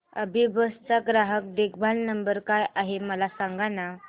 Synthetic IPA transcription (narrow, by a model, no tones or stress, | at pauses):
ə̰bʱibəst͡saɡɾaɦək̚d̪ekbʱalnəmbəɾkajʔaɦeməlasaŋɡana